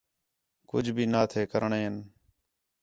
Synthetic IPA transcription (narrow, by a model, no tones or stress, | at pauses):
kʊ̰d͡ʒʱbʱiːnaːt̪ʰeːkəɾəɳeːɪn